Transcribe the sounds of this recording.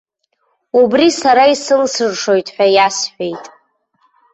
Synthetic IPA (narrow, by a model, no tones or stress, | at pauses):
ubrisaɾaisɨlsɨrʂo̞jtʼħʷᶣajasħʷᶣe̞jtʼ